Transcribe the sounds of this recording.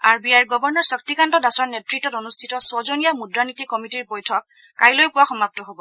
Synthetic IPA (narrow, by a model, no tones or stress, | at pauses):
aɹbiajɹɡɔbɔɹnɔɹsɔk̚tikantɔdasɔɹnetɹitːɔtonustʰitɔsɔzonijamudɹanitikɔmitiɹbɔjtʰɔk̚ː | ajlojpʊwaxɔmap̚tɔɦobɔ